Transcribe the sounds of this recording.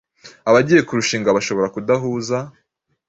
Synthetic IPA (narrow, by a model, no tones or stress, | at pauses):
aβaɟije̞kuɾuʃiːŋɡaβaʃo̞βo̞ɾakudaɦuːza